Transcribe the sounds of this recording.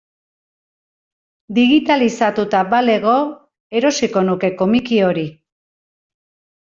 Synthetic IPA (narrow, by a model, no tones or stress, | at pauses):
d̪iɣit̪alisat̪ut̪aβale̞ɣo̞ | e̞ɾo̞siko̞nuke̞ko̞mikio̞ɾi